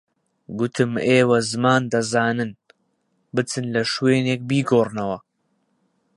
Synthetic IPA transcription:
ɡʊt̪ʰɨmeːwɐzɨmaːnd̪ɐzaːnɨn | bɨt͡sɨnlɐʃweːneːk̚biːɡoːrnɐwɐ

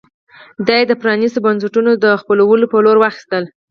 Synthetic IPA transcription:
d̪ɑjed̪əpɾɑnisobansəʈunod̪əxpəlawəlopəloɾwaxi̥st̪əl

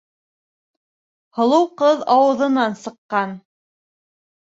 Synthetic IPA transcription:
hŏlˠɤwqɤðɑwɤ̆ðɤ̆nɑnsɤ̆qːɑn

